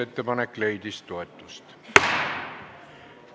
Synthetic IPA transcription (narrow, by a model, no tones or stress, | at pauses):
e̞t̪ːepɑnekːˑle̞jd̪̥ist̪o̞e̞t̪ːˑust̪